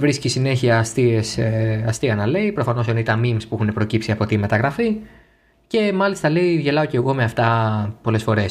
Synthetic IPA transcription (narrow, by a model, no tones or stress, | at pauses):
vɾiscisine̞çiɐːst̪iesɐst̪iɐnɐle̞ipɾo̞fɐno̞senoit̪ɐnmimspuixune̞pɾo̞cipsiɐpo̞t̪ime̞t̪ɐɣɾɐfi | ce̞mɐlist̪ɐle̞iʝe̞lɐo̞ce̞ɣo̞me̞ɐft̪ɐpo̞le̞sfo̞ɾe̞s